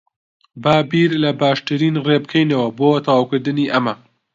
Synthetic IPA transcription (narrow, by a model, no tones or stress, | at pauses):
baːbiɾlɐbaːʃt̪ɨɾiːnreb̚kʰejnɐwɐboːt̪ʰɐwaːwkɨɾd̪ɨniːʔɐmɐ